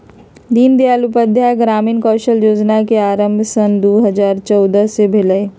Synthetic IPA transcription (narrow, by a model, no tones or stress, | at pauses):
d̪iːnd̪iaːlupəd̪ʱjaɡɾaːmiːnkɔːʃəljoːd͡ʒnakeaːɾə̃mbʱsənd̪oːɦəzaːɾt͡ʃɔːd̪əsebʱeləe